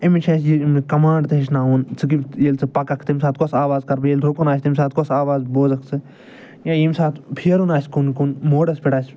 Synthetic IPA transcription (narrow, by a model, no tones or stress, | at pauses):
imit͡ʃʰɐ̃sjimkɐmãːɳɖt̪ɨɦiʃ̬naːunt͡sʰɨk̬ijelt͡sʰɨpɐkɐkʰt̪imʲsaːt̪̚kosaːʋaːzkɐɾbjeld̪ʰʱokunaːsʲt̪imʲsaːt̪̚kosaːʋaːzboːzɐkʰt͡sʰɨ | jãːjimsaːt̪pʰiɾunaːsʲkunkunmoːɽɐspiʈaːsʲ